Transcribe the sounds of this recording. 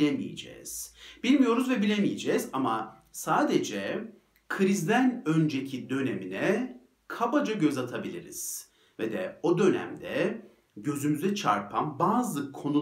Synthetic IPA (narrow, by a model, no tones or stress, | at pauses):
lʲemḭjḛd͡ʒɛ̰ːz̥b̥ilʲmijo̞ɾuzvɛbilʲemijed͡ʒɛzama | saːd̪ed͡ʒɛ | kʰɯɾizd̪ænø̞nd͡ʒecʰid̪ø̞neminɛ | kʰabad͡ʒaɟø̞zat̪ʰabilʲiɾḭz̥ | vɛd̪ɛo̞d̪ø̞næ̰md̪ɛ | ɟø̞zymyzɛt͡ʃʰa̰ɾpʰambaːzɯkʰo̞nu